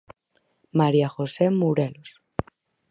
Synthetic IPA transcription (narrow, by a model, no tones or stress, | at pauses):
maɾjaxosemuɾelos